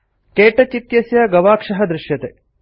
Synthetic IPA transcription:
keːʈɐt͡ʃit̪jɐsjɐɡɐʋaːkʂɐɦɐd̪ɾɪʃjɐt̪e

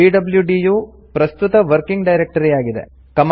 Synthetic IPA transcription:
iːɖɐbljuɖiːjuː | pɾɐst̪ut̪ɐʋɐɾkiŋɡɖɐjɾek̚ʈɐɾijaːɡid̪ḛ | kɐm

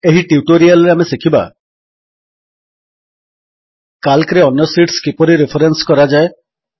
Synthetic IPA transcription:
eɦiʈiuʈoɾialɾeamesekʰiba̰ | kalkɾeɔnjɔsiʈskipɔɾiɾepʰaɾenskɔɾad͡ʒae

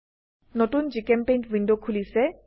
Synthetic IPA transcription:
notund͡ʒikɛmpejntvʱindokʰulisɛ

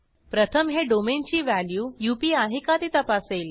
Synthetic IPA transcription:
pɾət̪ʰəmɦeɖoment͡ɕiːʋæljuːjupiːaɦikat̪iːt̪əpasel

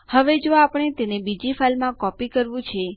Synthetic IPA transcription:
həʋed͡ʒoapəɳ̃et̪enebid͡ʒifʰalmãkɔpikəɾʋũt͡ʃʰe

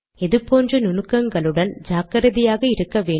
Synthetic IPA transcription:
ɛðɯpoːndrɯnʊnɯkːɐŋɡɐɭɯɽɐnd͡ʒaːkɐɾɐðɪjaːɣɐɪɾɯkːɐʋeː

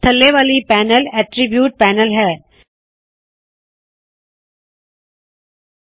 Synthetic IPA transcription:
t̪ʰəlːeːʋaːlipæːnəlɛʈɾibjuːʈ̚pæːnəlɦɛː

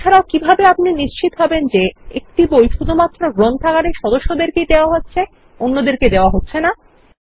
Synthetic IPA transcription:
aɾaokibʱabeapniniʃt͡ɕit̪ɦɔbend͡ʑeek̚ʈibojʃud̪ʱumat̪ːɾoɡɾont̪ʰakaɾeɾʃɔd̪oʃːod̪eɾkejd̪eoaɦotːɕʰe | onːod̪eɾked̪eoaɦotːɕʰena

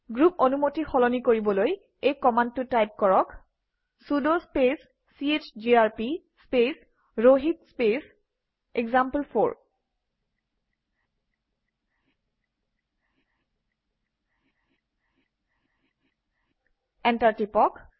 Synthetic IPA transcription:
ɡɹuponumotixɔlɔnikoɹibɔloj | ejkɔmandtʊtajp̚kɔɹɔk | sudospes | siet͡ʃd͡ʒiaɹpi | spes | ɹoɦitspes | eɡzampəlpʰo̰ɹ | ɛntaɹtipɔk

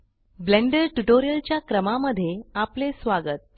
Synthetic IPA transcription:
bleɳɖəɾʈuʈoɾijəlt͡ɕjakɾəmaməd̪ʱːjeaplesʋaɡət̪̚

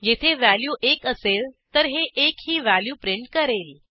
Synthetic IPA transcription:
jet̪ʰeʋæljuːʔekəselt̪əɾɦeʔekhiːʋæljuːpɾiɳʈ̚kəɾel

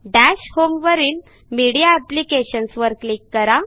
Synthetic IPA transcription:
ɖæɕhomʋəɾiːn | miɽijaæplikeɕənsʋəɾklikːəɾa

